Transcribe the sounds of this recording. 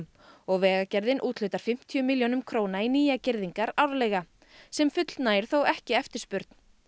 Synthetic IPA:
m | ɔɣvɛːɣacɛɾðɪnʔuːt̪lʏːt̪aɾ̥fɪm̥t̪ʰiʏmiljoːnʏmkʰɾoːwnainiːjacɪɾðiŋkaɾawɾlɛjɣa | sɛmfʏt̪l̥t̪naːjɪɾ̥θowɛhcɪɛft̪ɪɾ̥spʏɾt̪n̥

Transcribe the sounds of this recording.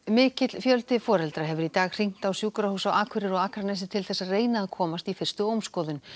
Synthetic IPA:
mɪːcɪt̪lfjœlt̪ɪfɔːɾɛlt̪ɾaɦɛvʏɾit̪aːɣr̥iŋ̥t̪awsjuːkɾahuːsawaːkʰvɪɾɪɾɔɣaːkʰɾanɛs̬ɪt̪ʰɪlθɛsːaðreːjnaːðkʰɔːmast̪ifɪr̥st̪ʏowmskɔːðʏn

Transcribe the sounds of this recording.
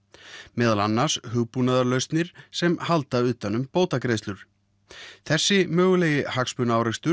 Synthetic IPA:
mɛːðalanːaɾ̥shʏɣpunaðaɾlœɥst̪nɪɾ̥sɛmhalt̪aʏːt̪ːanːʏmpoːwt̪akɾejst̪lʏɾ̥ | θɛsːɪmœːɣʏlɛjɪhakspʏnaːwɾɛst̪ʏ

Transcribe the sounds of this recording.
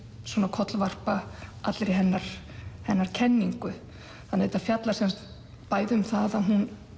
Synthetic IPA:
swɔːnakʰɔt̪lvar̥paʔat̪lɾiɦɛnːaɾ̥ | hɛnːaɾ̥cʰɛnːiŋkʏ | θanːɪejt̪afjat̪laɾsɛnst̪ | paːjðʏmθaðaðɦun

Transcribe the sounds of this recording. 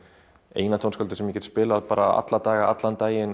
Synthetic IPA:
ḛjnat̪ʰownskœlt̪ɪsɛmjɛcɛt̪spɪːlaðpaːɾaa̰t̪lat̪aːɣaa̰t̪lant̪aːjɪn

